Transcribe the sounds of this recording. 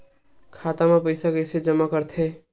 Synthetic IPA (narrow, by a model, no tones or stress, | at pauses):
kʰat̪amepəɪsakəjsed͡ʒəmːakəɾt̪ʰe